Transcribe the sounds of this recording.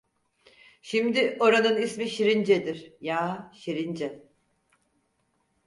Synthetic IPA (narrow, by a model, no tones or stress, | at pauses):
ʃimd̪iʔo̞ɾanɯnismiʃiɾind͡ʒɛd̪iɾ̥jaːʃiɾind͡ʒɛ